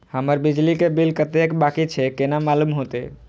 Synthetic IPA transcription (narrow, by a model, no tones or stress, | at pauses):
həməɾbɪd͡ʒlikebilkət̪ekbakit͡ʃʰekenamalumɦot̪ḛ